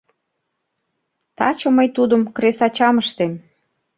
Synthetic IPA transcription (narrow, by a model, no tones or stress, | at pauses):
t̪ɑ̰t͡ɕŏməjt̪ud̪ə̆mkresɑt͡ɕɑməʃt̪em